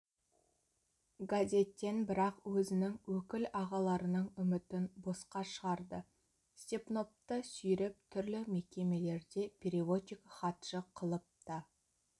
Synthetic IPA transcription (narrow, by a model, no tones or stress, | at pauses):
ɡazʲe̞t̪ːe̞nbɪɾɑqwɵzɪnɪŋwɵkʲɪlɑʁɑlˠɑɾənəɴʏmɪt̪ɪnbosqɑʃəʁɑɾd̪ə | st̪ʲepno̞p̚t̪əsʏjɾɪp̚t̪ʰʏɾlɪme̞kʲe̞me̞le̞ɾd̪e̞pʰʲeɾivo̞t̪ʲikχɑt̪ʃəqʰəlˠəp̚t̪ə